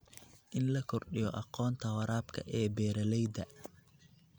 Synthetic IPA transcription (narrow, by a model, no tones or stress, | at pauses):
ʔɪnlɐkʰɔrɗɪjɔʔɑqɔːnt̪ʰɐwɐɾaːbkʰɐ̰ʔɛːbɛːɾɐlɛjd̪ɐ